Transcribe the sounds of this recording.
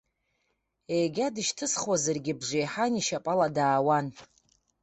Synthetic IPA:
ejɡʲadɨʃtʰɨsχwazarɡʲɪbʐʷejħaniʃapʼaladaːwan

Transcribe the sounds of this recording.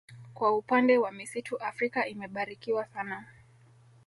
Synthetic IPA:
kwaupandɛwamisituʔafɾikaimɛɓaɾikiwasana

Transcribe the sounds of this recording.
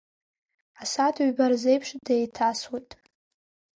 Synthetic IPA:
asatʰɥbarzejpʰʂdejtʰaswutʼ

